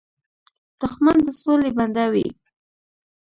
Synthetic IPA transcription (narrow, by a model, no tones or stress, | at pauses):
t̪ʊxmand̪əsoleband̪awḭ